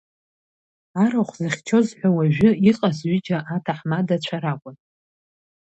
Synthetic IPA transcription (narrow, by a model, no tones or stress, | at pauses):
aɾaχʷzɨχʲt͡ʃʰo̞zħʷᶣawaʒᶣʊiqʼasɥid͡ʒʼaʔatʰaħmadat͡ʃʷʰaɾakʷʼʊn